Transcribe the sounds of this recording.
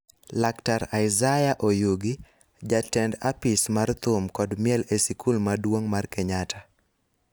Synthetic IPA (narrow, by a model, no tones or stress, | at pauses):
laktaɾajɪzajaʔojuɡi | d͡ʒatɛndapɪsmart̪ʊmkɔdmjɛlesikʰulmadwoŋmarkeɲatʰa